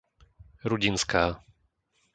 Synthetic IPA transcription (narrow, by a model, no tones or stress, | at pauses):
ɾuɟinskaː